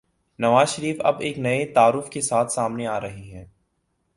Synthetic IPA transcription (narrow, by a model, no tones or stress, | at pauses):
nɐʋaːzʃəɾiːfɐ̰beːknɐet̪aːɾʊfkesaːt̪ʰsaːmneaːɾɐɦiɦɛː